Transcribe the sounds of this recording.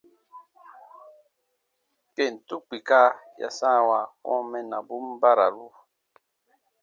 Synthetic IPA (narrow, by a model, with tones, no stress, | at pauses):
kɛ˨n̩˨tu˦k͡pi˨ka˦ja̰˨sã˦˨wa˨wɔ̰̃˦mɛ˦na˨bu˦mba˦ɾa̰˨ɾu˦